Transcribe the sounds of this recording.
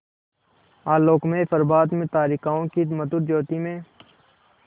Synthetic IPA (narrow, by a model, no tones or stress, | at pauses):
aːloːkmẽfəɾbaːd̪mẽt̪aːɾikaːõkimət̪ʊɾd͡ʒoːt̪imẽː